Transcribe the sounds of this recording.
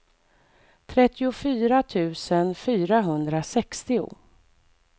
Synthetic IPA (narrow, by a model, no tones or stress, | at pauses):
t̪ʰɾɛt̪ːɪʊfyːɾat̪ʰʉ̟ːsənfyːɾaɦɵnd̪ɾasɛkst̪ɪʊ̰